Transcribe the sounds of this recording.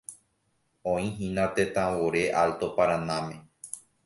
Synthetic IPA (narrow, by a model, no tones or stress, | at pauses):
õĩɦĩnãt̪et̪ãwoɾe̞ʔalt̪opaɾãnãmẽ